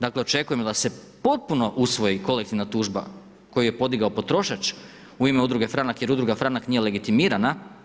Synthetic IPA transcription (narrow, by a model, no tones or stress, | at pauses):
d̪akle̞o̞t͡ʃe̞kuje̞md̪ase̞ | po̞t̪̚puno̞ʔusʋo̞jiko̞le̞k̚t̪iʋnat̪uːʒba̰ | ko̞juje̞po̞d̪iɡaopo̞t̪ɾo̞ʃat͡ʃ | uimeud̪ɾuɡe̞fɾanakjeɾud̪ɾuɡafɾanaknije̞le̞ɡit̪imiːɾana